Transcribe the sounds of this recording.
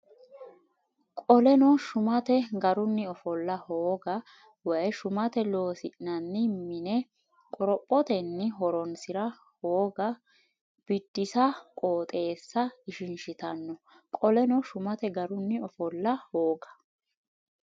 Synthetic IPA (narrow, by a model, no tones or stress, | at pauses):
kʼɔlɛnɔʃʊmɐt̪ɛɡɐɾʊnːɪɔfɔlːɐhoːɡɐ | wɐjʃʊmɐt̪ɛlo̞ːsɪʔnɐnːɪmɪnɛ | kʼɔɾɔpʼːɔt̪ɛnːɪɦɔɾɔnsɪɾɐ | hoːɡɐ | b̥ɪd̪̥ːɪsɐkʼoːt̪ʼe̞ːsːɐɪʃɪnʃɪt̪ɐnːɔ | kʼɔlɛnɔʃʊmɐt̪ɛɡɐɾʊnːɪɔfɔlːɐhoːɡɐ̥